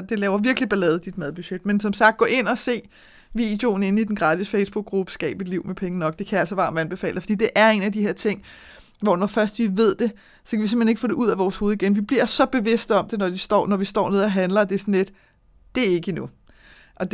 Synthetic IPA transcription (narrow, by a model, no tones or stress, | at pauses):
d̥e̝lɛːʊɐʋiɐɡ̥əlib̥elɛːð̞̩ˠd̥id̥mæðˠb̥yɕed̥̚mensɒ̽msɑ̈ɡ̥d̥̚ɔ̰̽ːʔe̝n̰ɒ̽se̝̰ː | ʋḭːd̥jo̝ːn̩e̝nəid̥en̩ɡ̥ʁɑ̈ːd̥ʰisfeɪsb̥uɡ̥̚ːʁub̥ə̥sɡ̥ɛ̰ːb̥id̥liʊ̰mepʰeŋənɒ̽ɡ̥̚d̥e̝kʰææl̰səʋɑ̈mænb̥e̝fɛ̰ːlɐfḭːd̥e̝ʔæɐe̝næd̥iheɐt͡sʰe̝ŋ̰ | ʋɒnɒfɶɐsd̥ʋiʋe̝ð̞̰ˠd̥e̝ | sɒ̽kʰæʋise̝mheneɡ̥əfɔ̰ːde̝ʔuð̰ˠæʋɒːsho̝ːð̞̩ˠiɡenʋib̥liɐsɒ̽b̥e̝ʋe̝sd̥əɒ̽md̥e̝nɒd̥isd̥ɒ̰ːnɒʋisd̥ɒ̰ːne̝ð̰ˠɐɦænlɐd̥e̝sɒnle̝d̥ | d̥e̝æɐe̝ɡ̥əinu | ʔɒ̽d